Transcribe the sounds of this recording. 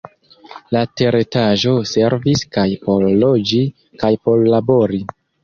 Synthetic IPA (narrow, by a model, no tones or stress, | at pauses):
late̞ɾetaʒo̞se̞ɾviskajpo̞lːo̞d͡ʒi | kajpo̞lːabo̞ɾi